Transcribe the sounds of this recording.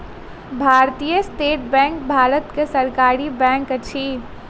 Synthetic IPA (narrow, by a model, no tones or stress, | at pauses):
bʱaːɾt̪ijəsʈeːʈ̚bɛ̃ːŋk̚bʱaːɾət̪kesɐɾkaːɾibɛ̃ːŋkɐt͡ʃʰiː